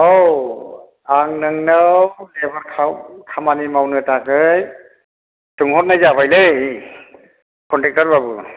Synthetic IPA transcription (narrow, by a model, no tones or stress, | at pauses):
ow | aŋnɯŋnawdɛbaɾkʰakʰamanimawnɯtakɯj | tɯŋhɔt̚najzapʰajle | kʰɔntɛk̚taɹbabu